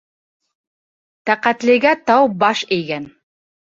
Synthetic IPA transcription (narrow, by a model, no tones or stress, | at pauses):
t̪æqæt̪lɘ̆ɡæt̪ɑwbɑʃɘ̆jɡæn